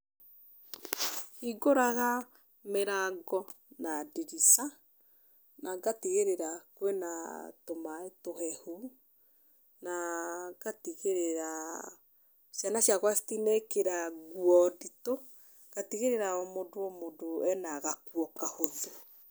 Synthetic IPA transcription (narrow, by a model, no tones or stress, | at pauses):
hiɡoɾaɣa | meɾaɡɔ | nadiɾisa | naɡatiɣeɾeɾakwenatomaetoɦɛhu | naɣatiɣeɾeɾa | ʃjanaʃjaɣwastinekeɾaɣwɔdito | ɡ̥atiɣeɾeɾaɔmodoomodoɛnaɣakwɔkahonðo